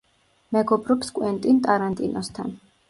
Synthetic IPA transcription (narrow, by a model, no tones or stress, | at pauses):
mɛɡɔbɾɔpskʼwɛnt̪ʼint̪ʼaɾant̪ʼinɔst̪ʰa̰n